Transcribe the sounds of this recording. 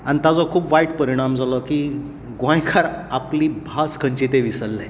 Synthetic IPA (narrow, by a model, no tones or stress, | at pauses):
ant̪ad͡zɔkʰuːpʋaiʈpəɾiɽ̃amd͡zʱalɔkiː | ɡʋãjkʰaɾapliːbʱaskʰəɲt͡ɕit̪eʋisəlːe